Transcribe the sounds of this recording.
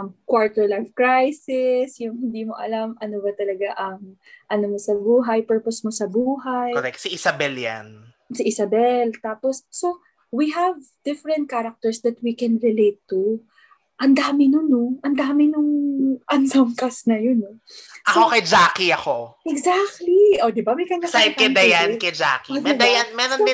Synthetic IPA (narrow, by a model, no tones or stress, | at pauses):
mkwaɹt̪ɛlajfkɹajsɪsjʊŋɦɪnd̪iːmo̰ʔɐ̰lamʔɐnobɐt̪ɐlɐɡaʔɐŋ | ʔɐnomosɐbuːɦɐjpɛɹposmosɐbuːɦajoɾɛksiʔɪsɐbɛlja̰n | siʔɪsɐbɛlt̪aːposːo | wiɦɐv | d̪̥ɪfɾɛ̃nt̪̚kaɾɐk̚t̪ɛɹsd̪ɐt̪̚wikɛnɹɪlejt̪ːu | ʔɐnd̪aːmɪnʊnoʔɐnd̪aːmɪnʊŋʔɐnsomkɐsnɐjonoʔɐkokɐjd͡ʒaːkiɐkoʔɛɡzak̚t̪liʔod̪ɪbɐmɐjkɐŋɡasaj̚ɐd̪ɐjankɐjd͡ʒa̰kiɛɛɐjanmɛɾonɪ